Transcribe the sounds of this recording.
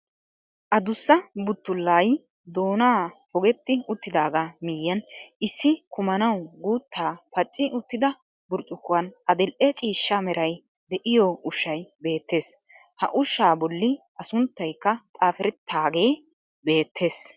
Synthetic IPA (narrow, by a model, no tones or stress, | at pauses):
ʔɐd̪ʊsːɐbʊt̪ːʊlːaːj | d̪oːnaːpɔɡɛt̪ːɪʊt̪ːɪd̪aːɡamɪjːɐnʔɪsːɪkʊmɐnɐwɡuːt̪ːaːpɐt͡ʃʼːɪʔʊt̪ːɪd̪ɐ | bʊɾt͡ʃʼːʊkːʊwɐnʔɐd̪ɛlʔɛt͡ʃʼiːʃːɐmɛɾʔɐj | d̪ɛʔɪjɔʊʃːɐjbe̞ːt̪ːe̞ːs | hɐ̰ʔʊʃːaːbɔlːɪʔɐsʊnt̪ːɐjkːɐt̪ʼaːfɛɾɛt̪ʰːaːɡe̞ː | be̞ːt̪ʰːe̞ːs